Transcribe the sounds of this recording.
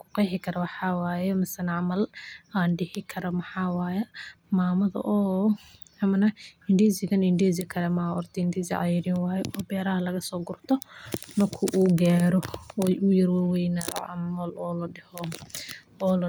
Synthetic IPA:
kʰʊ̥qɛjħɪkʰɐɾɐwɑħɑːwaːjɛmɐsɐnʕɑmɐlaːnɖɪhɪkʰɐɾɐmɐħɑːwaːjɛ | maːmɐðɐ̰ʔɔː | ɐmɐnɐɪndizɪɣɐnɪndiːz̬ɪkʰɐɾɛmaɔrt̪ʰɛɪnd̪izɪ̰ʕɑ̰jɪɾɪnwɑːjɛʔɔːbɛːɾɐhɐlɐɣɐsɔːɡʊrt̪ʰɔnɐkʰʊʔuːɡaːɾɔɔʊjɐrwaːwɛjnaʕ̰mɐlɔːlɐɖɛhɔ | ɔːl

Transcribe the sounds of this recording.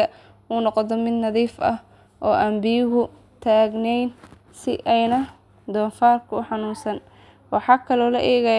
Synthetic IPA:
ɐ | ʔuːnɔqðɔmɪd̪nɐðiːfɐ̰h | ʔɔːʔɐmbɪjʊɦʊ | t̪ʰaːɡnɛjn | sɪ̰ʔɛjnɐ | d̪ɔːnfaːrkʰʊʊħɑnuːnsɐn | wɑħɑːkʰɐlɔːlɐʔɛːɣɐ

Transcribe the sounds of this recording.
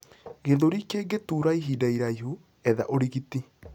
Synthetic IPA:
ɣeðoɾikeɡetuɾaiɦidaiɾaiɦu | ɛðaʔoɾiɣiti

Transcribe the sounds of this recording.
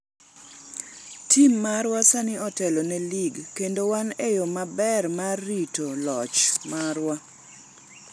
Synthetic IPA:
tʰimːaɾwasanɪɔtɛlɔnɛliɡkendowanejɔmabɛrmarːitolɔt͡ʃmaɾwa

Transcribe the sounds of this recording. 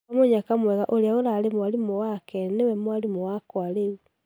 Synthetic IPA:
moɲakamwɛɣaʔoɾeaoɾalemwalimowakɛnewɛmwalimowakwalewu

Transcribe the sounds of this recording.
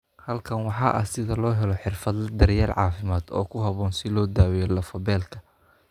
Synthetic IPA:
hɐlkʰɐnwɑħɑːʔɐ̰sɪðɐlɔːɦɛlɔħɪrfɐd̪lɐd̪ɐɾjaːlʕɑ̰ːfɪmaːd̪ɔ̰ːkʰʊɦɐβɔːnsɪlɔːd̪aːwɛjɔlɐfɔbɛːlkʰɐ

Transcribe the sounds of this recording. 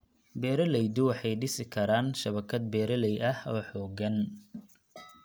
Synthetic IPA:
bɛːɾɐlɛjd̪ʊwɑħɑjɖɪsɪkʰɐɾaːnʃɐβɐkʰɐd̪̚bɛːɾɐlɛjʔɐhɔːħɔːɡɐn

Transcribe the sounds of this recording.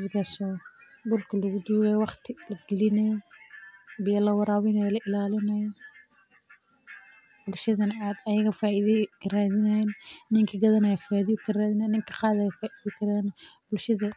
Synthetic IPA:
zɪkɐsɔː | bʊlkʰɐlɐɣʊd̪uːɣɛjwɑχt̪ʰɪlɐɡɛlɪnɐjɔ | bɪjɐlɐwɑɾaːwɪnɐjɔlɐʔɪlaːlɪnɐjɔ | bʊlʃɐðɐnʕaːd̪ɐjɐɣɐfaːɪðkʰɐraːðɪnnnɪŋkʰɐɡɐðɐnɐjfaðɪjʊkʰɐraːðɪnːnɪŋkʰɐ̥qɑːðɐjfaʔiðikʰɐɾɐnbʊlʃɐðɐ

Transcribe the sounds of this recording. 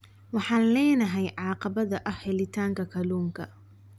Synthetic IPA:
wɑħɑːnlɛːnɐɦɛjʕɑːqɑβɐðɐʔɐhhɛlɪt̪ʰaːŋkʰɐkʰɐluːŋkʰɐ̰

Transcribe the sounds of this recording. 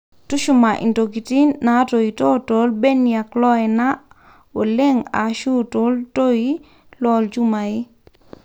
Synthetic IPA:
tuʃumaʔḭntokitinːatoitotolbɛnːiaklɔɛna | woleŋa̰ʃutoltoi | lɔld͡ʒumai

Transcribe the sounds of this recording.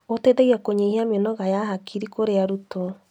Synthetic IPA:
oteðɛɣiakoɲehiamɔnɔɣajaɦakʰiɾikoɾeaɾutɔ

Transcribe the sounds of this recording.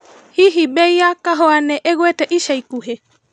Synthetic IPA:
hiɦiɓɛiakaɦɔanɛʔɛɣwɛtɛʔiʃaikuɦɛ

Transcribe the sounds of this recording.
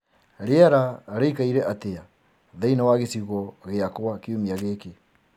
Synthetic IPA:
ɾeaɾaɾeikaiɾɛʔatea | ðainawaɣesiɣɔɣeakwakeumiaɣeːke

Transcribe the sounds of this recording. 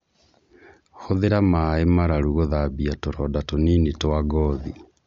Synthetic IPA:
xoðeɾamaemaɾaɾuɣoðabiatoɾɔdatoniːnetoaɡɔːði

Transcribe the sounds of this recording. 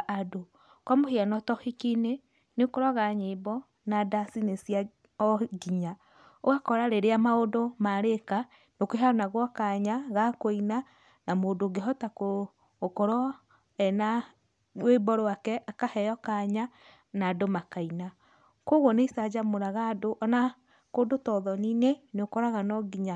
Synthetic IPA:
ado | kɔmoheanɔtɔhikine | neokoɾaɣaɲebɔ | nadasinesija | ɔɡiɲa | oɣakɔɾaɾeɾeamaodomaɾeka | nokeɦanaɣwɔkaɲaɣakoina | namodoɡeɦɔtakoː | kɔɾɔ | ɛna | webɔɾwakɛakahɛɔkaɲa | nadomakaina | koɣwɔneisad͡ʒamoɾaɣadoʔɔna | kodotɔðɔnineneokɔɾaɣanɔɡiɲa

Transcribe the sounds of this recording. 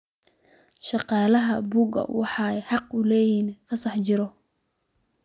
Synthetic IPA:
ʃɑqɑːlɐɦɐbuɡɐ̰wɑħɑːjħɑqʊlɛːjiːnfɐsɑħt͡ʃɪɾɔ

